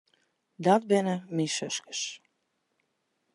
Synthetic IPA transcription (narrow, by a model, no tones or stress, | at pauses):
dɔt̚bɪnəmisøskə̥s